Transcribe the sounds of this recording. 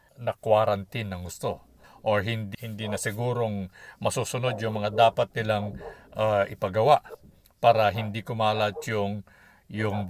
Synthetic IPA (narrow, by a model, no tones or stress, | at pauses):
nɐkwaɾɐnt̪inːɐŋɡʊst̪o̞ | ʔoɹɦɪnd̪hɪnd̪inɐsɪɡuːɾo̞ŋmɐsuːsʊno̞d̪jʊŋmɐŋad̪aːpɐt̪̚nɪlaŋʔaʔɪpɐɡɐwaʔ | paːɾɐɦɪnd̪ikʊmaːlɐt̪jʊŋ | jʊŋ